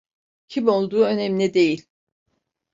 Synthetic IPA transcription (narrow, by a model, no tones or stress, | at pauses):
cʰimo̞lˠd̪uːø̞nɛmnʲid̪e̞jilʲ